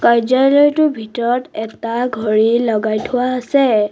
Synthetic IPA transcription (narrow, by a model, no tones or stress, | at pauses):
kajzalɔjtʊbʱitɔɹɔtɛtaɡʱɔɹilɔɡajtʰʊwaasɛ